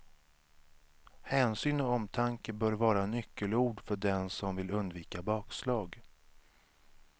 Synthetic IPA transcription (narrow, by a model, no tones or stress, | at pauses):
hɛːnsyːnɔɔmt̪ʰaŋkəbœːɾvɑːɾanʏkʰːəluːɖfœɖɛnsɔmvɪlɵnd̪viːkabɑːkslɑːɡ